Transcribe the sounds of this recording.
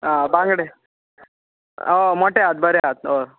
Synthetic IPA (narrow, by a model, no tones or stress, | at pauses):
abãŋɡɽe | omoʈeat̪̚bəɾeat̪̚o